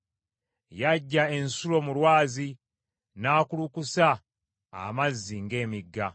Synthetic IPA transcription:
jaɟːae̞nsulo̞mulwaːzi | naːkulukusa̰ː | mazːiŋɡe̞ːmiɡːa

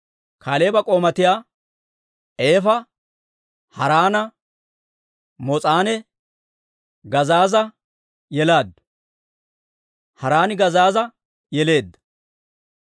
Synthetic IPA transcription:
kaːleːbɐkʼo̞ːmɐt̪ɪjaː | ʔe̞ːfɐ | hɐɾaːnɐ | mɔt͡sʼaːnɛ | ɡɐzaːzɐ | jɛlaːd̪ | hɐɾaːnɪɡɐzaːzɐ | jɛle̞ːd̪ːɐ̥

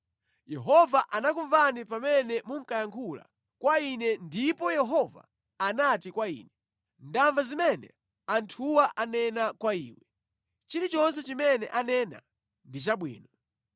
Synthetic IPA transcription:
jɛɦɔvaʔanakuɱvanipamɛnɛmuŋ̩kajaŋkʰula̰ | kwainɛndipɔjɛɦɔva̰ | anatikwaḭːnɛ | ndaɱvazimɛnɛ̰ | antʰuwaʔanɛnakwaiːwɛ | t͡ʃiɾit͡ʃɔnsɛt͡ʃimɛnɛʔanɛna̰ | ndit͡ʃaɓwḭːnɔ

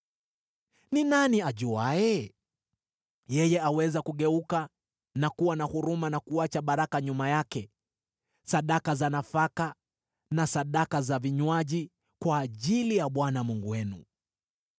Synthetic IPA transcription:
ninaniaʄuaɛ | jɛjɛawɛzakuɠɛuka | nakuwanahuɾumanakuat͡ʃaɓaɾakaɲumajakɛ | saɗakazanafaka | nasaɗakazaviɲwaʄi | kwaːʄilijaɓwanamuŋɡuwɛnṵ

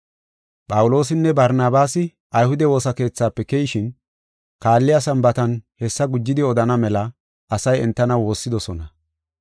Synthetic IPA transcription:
pʼɐwʊlo̞ːsɪnːɛbɐɾnaːbaːsɪ | ʔɐjhʊd̪ɛwo̞ːsɐke̞ːt͡sːaːpːɛkɛjɪʃɪn | kaːlːɪjasɐmbɐt̪ɐnhɛsːɐɡʊd͡ʒːɪd̪ɪɔd̪ɐnɐmɛlɐ | ʔɐsɐjɛnt̪ːɐnɐwo̞ːsːɪd̪ɔsɔnɐ

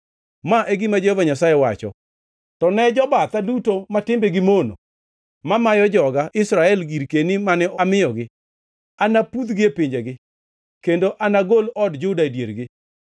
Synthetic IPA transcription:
maʔeɡɪmad͡ʒɛhɔvaɲasajɛwa̰t͡ʃɔ̰ | tɔnɛd͡ʒɔbat̪adutomatɪmbeɡɪmono̰ | mamajɔd͡ʒɔɡaʔɪsɾaɛlɡiɾkenimanɛʔɔmɪjɔɡɪ | anapud̪ɡɪepɪɲd͡ʒeɡɪ | kendoʔanaɡolɔdd͡ʒʊdaidjeɾɡɪ

